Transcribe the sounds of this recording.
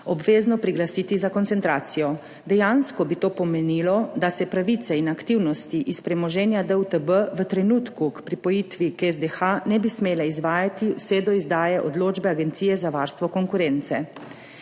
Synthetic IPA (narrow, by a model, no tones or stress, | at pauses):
ɔbʋeːznɔpɾiɡlasiːt̪izakɔnt̪sɛnt̪ɾaːt̪sijɔ | d̪ɛjanskɔbit̪oːpɔmɛniːlɔd̪asɛpɾaʋit̪sɛinakt̪iwnɔst̪iʔispɾɛmɔʒɛnjad̪əut̪əbəʋət̪ɾɛnuːt̪kukpɾipɔjit̪ʋikɛzd̪exanɛbismeːlɛizʋaːjat̪iwsɛd̪ɔizd̪aːjɛʔɔd̪loːd͡ʒbɛaɡɛnt̪sijɛzaʋaːɾst̪ʋɔkɔŋkuɾɛːnt̪sɛ